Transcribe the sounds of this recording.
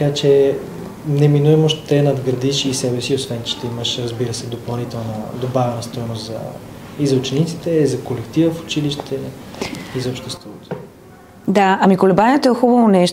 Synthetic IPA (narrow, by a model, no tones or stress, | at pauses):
t̪əkat͡ʃɛ | nɛminuɛmoʃt̪t̪ɛnɐd̪ɡɾɐd̪iʃiːsɛbɛsiosvɛnt͡ʃɛ̥t̪ɛiməʃɾəzbiɾəsɛd̪opɐlˠnit̪ɛlˠnəd̪obavɛnəst̪ɔjnost̪zɐ̰izɐut͡ʃɛnit̪si̥t̪ɛizɐkolɛkt̪ivəfʊ̥t͡ʃiliʃt̪ɛ | izɐopʃt̪ɛst̪vɔt̪o̥ | d̪aɐmikolɛbanʲɛt̪oɛxubəvonɛʃt̪